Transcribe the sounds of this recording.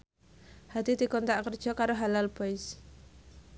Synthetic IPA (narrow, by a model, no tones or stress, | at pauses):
had̪id̪̥i̤kɔnt̪aʔkərd̥ʒ̥ɔ̤kaɾoɦalalb̥ɔɪs